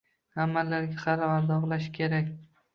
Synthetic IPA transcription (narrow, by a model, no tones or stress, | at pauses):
amːalːaɾɡʲaχɑɾavaɾd̪ɒʁlˠaʃkʲʰe̞ɾakʲ